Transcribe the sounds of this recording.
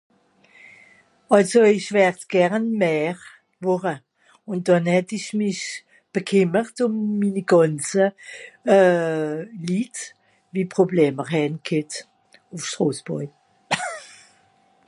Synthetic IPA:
ɑlsoɪʃvɛʁtɡ̥ɛʁnmɛːʁ | vʊʁə | ʊn̚d̥ɑnhɛtɪʃmɪʃ | b̥əkʰɪməʁtʊmːiːniɡ̥ɑnt͡sə | liːt | viːpʁ̥oblɛːməʁhɛnkʰɪt | ʊfʃtʁoːsb̥ɔ̰ɪ

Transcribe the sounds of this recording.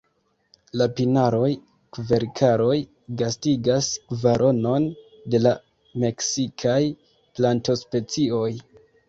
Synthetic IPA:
lapinaɾo̞j | kve̞ɾkʰaɾo̞j | ɡastiɡasvaɾʔo̞no̞n | de̞la | me̞ksikʰaj | planto̞spe̞t͡sio̞j

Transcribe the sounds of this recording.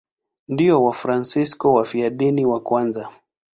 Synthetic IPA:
ndiɔwafɾansiskɔwafiaɗiniwakwanza

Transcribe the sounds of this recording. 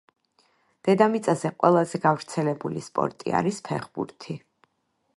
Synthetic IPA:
d̪̥ɛd̪amit̪sʼazɛqʼwɛlˠazɛɡavɾt̪sʰɛlɛbulispʼɔ̰ɾt̪ʼḭa̰ɾispʰɛχbṵɾt̪ʰi

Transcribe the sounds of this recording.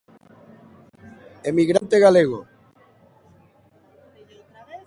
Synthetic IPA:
emiɣɾant̪eɣaleɣo

